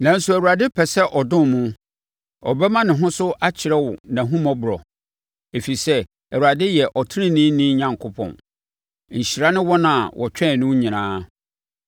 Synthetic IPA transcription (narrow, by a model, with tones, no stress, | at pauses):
nã˨n̩˦sʊ˦æ˨wu˨ɾa˨dɪ˦pʰɛ˨sɛ˦ʔɔ˨dʊ̃˦n˨mũ˦ | ɔ˨bɛ˦mã˦nɪ̃˨ɦʊ̃˦sʊ˦ʔa˦t͡ɕʰɪ˨ɾɛ˦wʊ̰˨nã˨ɦũ˦mã˦bʊ˨ɾɔ˨ | e˨fi˨sɛ˦ | æ˨wu˨ɾa˨dɪ˦jɛ˨ʔɔ˨tʰɪ˦ɪ̃˦nĩ˦nɪ̃˦ɲã˨ŋkʰʊ˦pʰɔ̰̃˨n | ɲ̩˨ɕi˨ɾa˦nɪ̃˦wɔ˦nã˨wʔɔ̰˨t͡ɕᶣɛ̃˦˨nʊ̃˦ɲĩ˨nãː˦